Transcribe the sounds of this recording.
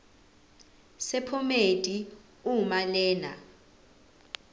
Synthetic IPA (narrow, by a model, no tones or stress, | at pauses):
sɛpʰɔmetʼi | umalɛːna